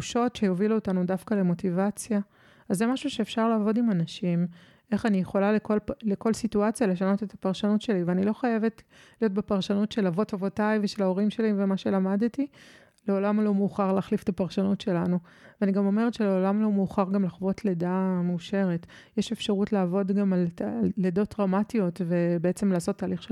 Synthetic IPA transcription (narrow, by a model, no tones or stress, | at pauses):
uʃo̞tʃejoviluotanudafkale̞mo̞tivat͡sja | azemaʃuʃe̞ːfʃaʁlaːvo̞dimanaʃim | e̞χanijeχo̞lalekolleko̞lsituat͡sjale̞ʃano̞tetʰḁpaʁʃanutʃe̞liveanilo̞χaje̞ve̞t | lijo̞tbe̞paʁʃanutʃe̞lavo̞tavo̞tajveʃelao̞ʁimʃe̞livemaʃe̞lamadti | leo̞lamlomuːχaʁlaːχlifetapaʁʃanutʃe̞lanu | veaniɡamo̞meʁetʃe̞leolamlomeːχaʁɡamlaχvo̞tledameuʃe̞ʁetjeʃe̞fʃaʁutlaːvo̞dɡamallledo̞tʁamatijo̞tve̞beet͡semlaːso̞tːaːliχʃe